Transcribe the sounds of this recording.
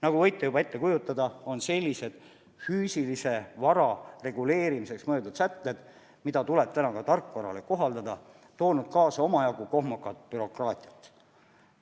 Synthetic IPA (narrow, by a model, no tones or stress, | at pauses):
nɑɡ̥uvɤjt̪ːˑejubɑe̞t̪ːe̞kujut̪ːˑɑd̪ɑo̞nse̞lʲːise̞d̪̥ | fyːsilise̞vɑɾɑre̞ɡ̥ule̞ːɾimise̞ksmɤjlt̪ud̪sæt̪ˑːe̞d̪̥ | mid̪̥ɑt̪ule̞b̥̚t̪ænɑkɑt̪ɑrkːˑvɑɾɑ̰le̞ko̞ɦɑld̪ɑd̪ɑ | t̪o̞ːnud̪̥̚kɑːsɑo̞mɑjɑɡ̥uko̞ɦmukːˑɑt̪̚ːˑpyɾo̞krɑːt̪ʲˑiɑt̪ːˑ